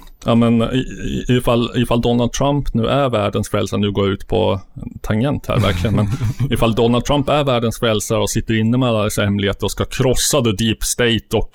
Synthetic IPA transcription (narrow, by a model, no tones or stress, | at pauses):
jɑmɛn | ɪfalːɪfald̪ɔnald̪̚t̪ʰɾampnʉ̟ːʔæɾvæːɖənsfɾɛlsanʉ̟ːɡoːɾʉ̟ːt̪pʰɔ̰t̪ʰaŋjɛnt̪hæ̰ːɾvæ̰ɾkʰlɪɡənmɛnɪfald̪ɔnal̚t̪ʰɾampæɾvæːɖənsfɾɛlsaɾɔsɪt̪ːəɾɪnːəmɛalːad̪ɛsːaɾhɛmlɪheːt̪əɾɔskakʰɾɔsːad̪ɛd̪iːpst̪ɛɪt̪ɔk